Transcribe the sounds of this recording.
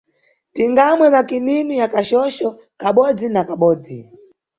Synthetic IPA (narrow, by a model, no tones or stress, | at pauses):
tiŋɡamwɛmakininijakaʃɔʃɔ | kaɓɔd͡zinakaɓɔːd͡zi